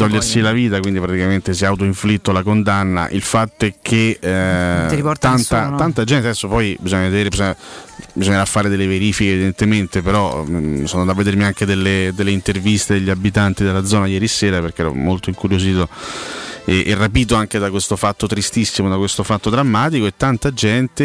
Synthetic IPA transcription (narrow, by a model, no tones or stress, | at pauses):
t̪ɔʎːersilaviːt̪akwind̪ipɾat̪ikament̪es̬iaut̪̬oiɱflit̪ːolakond̪anːa̰ʔilfat̪ːoɛkʰːe | ɾipɔɾt̪ant̪at̪ant̪ad͡ʒɛnt̪ad̪ɛsːopɔjbizoɲːaved̪eːɾebizoɲabizoɲːeɾafːaːɾed̪elːeveɾiːfikeːvid̪ent̪ement̪epeɾɔsoːnod̪avːed̪eɾmiaŋk̟ed̪elːed̪elːeint̪ervist̪ed̪eʎːiabit̪ant̪id̪elːad̪zɔːnajɛːɾiseːɾaperk̟eɛːɾɔ̰molt̪oiŋkuɾjoziːt̪o | eʔɛrːapiːt̪̬oaŋked̪akwest̪ofat̪ːot̪ɾist̪isːimod̪akwest̪ofat̪ːod̪ɾamːaːt̪ikoet̪ːant̪ad͡ʒɛnt̪e